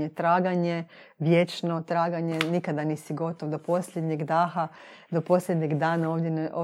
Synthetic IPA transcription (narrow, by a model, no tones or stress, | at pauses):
et̪ɾaːɡaɲe̞ | ʋjet͡ʃnot̪ɾaːɡaɲe̞nikad̪aniːsiɡo̞t̪oʋd̪opo̞slʲed̪ɲeɡd̪aːxa | d̪opo̞slʲed̪ɲeɡd̪aːnaoːʋd̪jeno